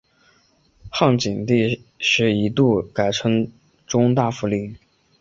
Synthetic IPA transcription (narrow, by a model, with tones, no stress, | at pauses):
xɑ˥˩ŋt͡ɕi˨˩ŋt̪i˥˧ʂɻ̩˥˩i˧˥t̪u˥˩ka˨˩ɪʈ͡ʂʰɤ˧˥ŋ | ʈ͡ʂʊ˥ŋt̪a˥˩fu˥˧li˥˩